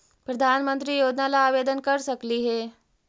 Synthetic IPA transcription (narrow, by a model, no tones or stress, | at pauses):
pɾəd̪ʱanmənt̪ɾiːjoːd̪nalaːʋed̪ənkəɾsəkliːɦe